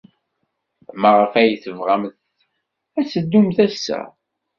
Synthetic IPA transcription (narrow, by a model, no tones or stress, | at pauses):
məʁəfæjəθəvʁamθ | æsəd̪ːumθæsːæ̰